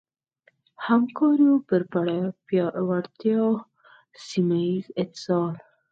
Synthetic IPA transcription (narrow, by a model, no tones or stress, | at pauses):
hamkɑɾjopəɾpaɽapjwaɽt̪jɑ | simaizɪt̪ɪ̥sɑl